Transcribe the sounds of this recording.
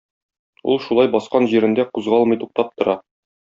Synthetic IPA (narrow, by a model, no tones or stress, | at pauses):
ṵlˠʃulˠɑjbɒsqɑnʑiɾɘ̆nd̪æquzʁɑlˠmɤ̆jt̪uq̚t̪ɑp̚t̪ŏɾɑ